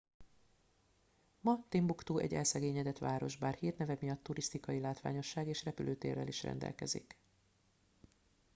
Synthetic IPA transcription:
mɒt̪imbukt̪uːʔɛ̰ɟɛlsɛɡeːɲɛd̪ɛt̪ʋaːɾo̞ʒbaːrhiːrnɛvɛmijɒt̪ːuɾist̪ikɒjilaːt̪ʋa̰ːɲo̞ʃːaːɡeːʃrɛpylʔøːt̪ḛːrːɛ̰liʃrɛ̰nd̪ɛ̰lkɛ̰zḭk

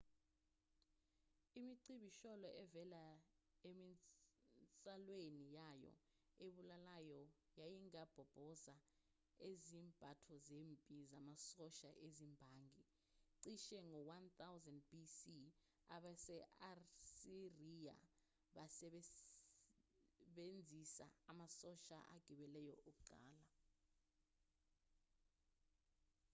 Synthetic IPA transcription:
imiǀiɓiʃɔlɔʔɛvɛlaemi | t͡sʼalwenijajɔ̰ | eɓulalajɔ | jajiŋab̥ʱɔb̥ʱɔza | ezimb̥ʱatʰɔzeːmpʼizamasɔʃa̰ʔezimbʱaːŋɡʱi | ǀiʃɛŋɔwant̪awzandbisi | a̰ɓasɛarsirija̰ | ɓasɛ | ɓend͡zʱisa̰amasɔʃa̰ʔa̰ɡ̥ʱiɓɛlɛjɔ̰ʔokuǃa̰ːla

